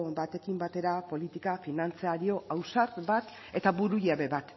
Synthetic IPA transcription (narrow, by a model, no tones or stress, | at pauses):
bat̪e̞kimbat̪e̞ɾapo̞lit̪ikafinant͡seaɾio̞ʔawsaɾbat̪ | e̞t̪aβuɾujaβe̞βat̪